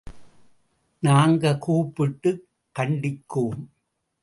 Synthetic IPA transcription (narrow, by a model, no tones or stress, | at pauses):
naːŋɡɐkuːpːɪʈːɯ | kːɐɳɖɪkːuːm